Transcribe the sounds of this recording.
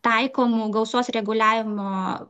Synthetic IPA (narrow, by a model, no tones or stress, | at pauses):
t̪ɐɪkoːmuɡɐʊsuɔsɾʲɛɡʊlʲæːʋʲɪmoː